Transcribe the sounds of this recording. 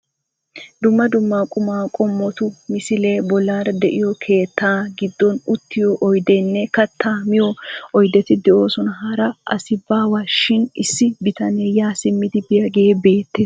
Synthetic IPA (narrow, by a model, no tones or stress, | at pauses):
d̪ʊmːɐd̪ʊmːaːkʼʊmaːkʼɔmːɔt̪ʊmɪsɪleːbɔlaːɾd̪ɛʔɪjɔkʰe̞ːt̪ʰːaːɡɪd̪ːɔnʊt̪ːɪjɔʔɔjd̪enːɛkɐt̪ʰːaːmɪjɔɔjd̪ɛt̪ɪd̪ɛo̞ːsɔnɐɦɐɾɐʔɐ̰sɪbːaːwaːʃɪnɪsːɪbɪt̪ɐneːjaːsɪmːɪd̪ɪbɪjɐɡe̞ːbe̞ːt̪ːeːs